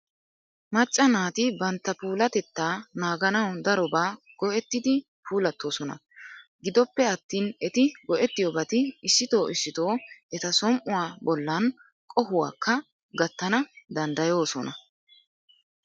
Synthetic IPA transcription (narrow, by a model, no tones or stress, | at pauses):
mɐt͡ʃʼːɐnaːt̪ɪbɐnt̪ːɐpuːlɐt̪ɛt̪ːaːnaːɡɐnɐwd̪ɐɾɔbaː | ɡ̥ɔʔɛt̪ːɪd̪ɪ | pʰuːlɐt̪ːo̞ːsɔnɐ̰ | ɡɪd̪ɔpːɛɐt̪ːiːnɛt̪ɪɡɔʔɛt̪ːɪjɔbɐt̪ɪɪsːɪt̪o̞ːʔɪsːɪt̪o̞ːʔɛt̪ɐsɔmʔʊwaːbɔlːɐn | kʼɔhʊwa̰ːkːɐ | ɡɐt̪ːɐnɐd̪ɐnd̪ɐjo̞ːsɔnɐ̰